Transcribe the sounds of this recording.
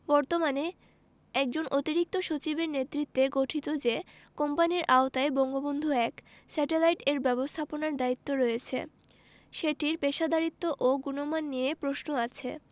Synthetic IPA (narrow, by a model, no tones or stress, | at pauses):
bɔɾt̪omane | ɛk̚d͡ʑonʔot̪iɾik̚t̪oʃot͡ɕibeɾnet̪ːɾit̪ːeɡoʈʰit̪od͡ʑe | kɔmpaniɾʔaot̪aebɔŋɡobond̪ʱuɛk | sɛʈelajʈeɾbɛbost̪ʰaponaɾd̪ait̪ːoɾɔjet͡ɕʰḛ | ʃeʈiɾpeʃad̪ʱaɾit̪ːoʔoɡunomanːiepɾosnoat͡ɕʰḛ